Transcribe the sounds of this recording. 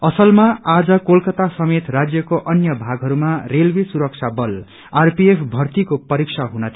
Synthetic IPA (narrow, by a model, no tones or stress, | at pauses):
ʌsʌlmaad͡zʌkolkʌt̪asʌmet̪rad͡zjʌkoʔʌnjʌbʱaɡʱɦʌɾumarelbisuɾʌk̚t͡sʰabʌl | arpiepʰbʱʌrt̪ikopʌɾiksʰaɦunʌt̪ʰ